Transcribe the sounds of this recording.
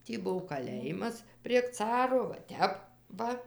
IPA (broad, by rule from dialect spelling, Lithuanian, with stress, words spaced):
ˈtʲiː ˈbʊw kɐˈlʲeːjɪmɐs pʲrʲiɛk ˈt͡sɑːroː ʋɐ ˈtʲɛp ˈʋɐ